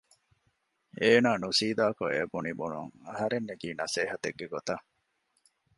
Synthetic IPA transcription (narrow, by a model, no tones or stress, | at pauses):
eːnaːnusiːd̪aːkoebunibunṵŋɐɦɐɾenːeɡiːnɐseːɦɐt̪eɡːeɡot̪ɐ